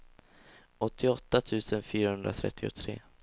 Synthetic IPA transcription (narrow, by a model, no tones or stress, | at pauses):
ɔt̪ʰːɪɔt̪ːat̪ʰʉ̟ːsənfyːɾahɵnd̪ɾa̰t̪ʰɾɛ̰t̪ʰːɪʊ̰t̪ʰɾḛː